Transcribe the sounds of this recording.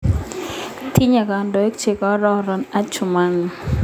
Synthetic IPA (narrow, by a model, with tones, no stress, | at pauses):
t̪ʰi˦ɲa˨ka˨ndɔ˨e˦k̚t͡ʃe˨kɔ˨˦ɾɔ˦ɾɔ˨na˦t͡ʃʊ˨ma˦n